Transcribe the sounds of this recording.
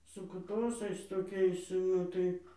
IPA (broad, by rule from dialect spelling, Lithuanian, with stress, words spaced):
sʊ kʊˈtoːsɐɪs toːˈkʲɛɪs ˈnʊ tɐɪ